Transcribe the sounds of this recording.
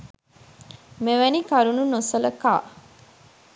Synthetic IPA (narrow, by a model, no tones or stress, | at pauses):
meʋænikɐɾununosələka̰ː